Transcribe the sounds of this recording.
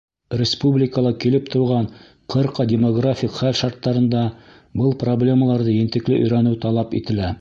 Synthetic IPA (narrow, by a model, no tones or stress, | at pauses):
rʲɪspublʲɪkəlˠɑkilɘp̚t̪ŏɾʁɑn | qʰɤ̆ɾqɑdʲɪmoɡrafʲikχælʃɑɾt̪ːɑɾɤ̆nd̪ɑ | bɤlˠproblʲe̞məlˠɑɾðɤjɘ̆nt̪ɘ̆klɘʔɵ̆jɾænɘwt̪ɑlˠɑpḭt̪ɘ̆læ